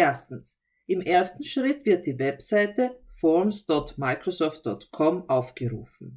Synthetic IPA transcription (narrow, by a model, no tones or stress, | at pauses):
ʔeːɐstn̩s | ʔɪmʔeːɐstn̩ʃʁ̥ɪtv̥ɪɐt̚d̥iːvɛpsaɪtəfɔmsd̥ɔtmaɪkʁosɔːft̚d̥ɔtkʰɔmʔaʊfɡ̥əʁṵːfn̩